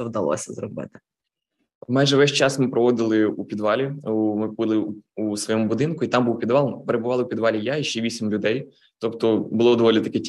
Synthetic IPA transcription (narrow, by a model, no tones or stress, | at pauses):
ɔwd̪ɐlˠɔ̰sʲɐzɾɔbɪ̰t̪ɪ̥ | majʒɛʋɛsʲt͡ʃɑsmɪpɾɔʋɔd̪ɪlˠɪupʲid̪ʋɑlʲimɪbɪlˠɪusʋɔjɔmʊbʊd̪ɪnkʊit̪ɑmbuwpʲid̪ʋɑlˠpeɾebʊʋɑlˠɪwpʲid̪ʋɑlʲijaiʃt͡ʃɛʋʲisʲimlʲʊd̪ɛj | t̪ɔpt̪ɔbʊlˠɔd̪ɔʋɔlʲit̪ɐkɛ